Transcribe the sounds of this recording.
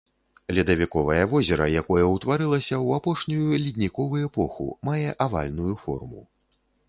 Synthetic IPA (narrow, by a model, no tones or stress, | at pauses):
lʲid̪ɐvʲikɔvɐjɐvɔzʲɛɾɐjakɔjɐwt̪vaɾɨlˠɐsʲɐwapɔʂnʲujulʲid̪ʲnʲikɔvuɛpɔxṵmajɛʔava̰lʲnujufɔ̰rmṵ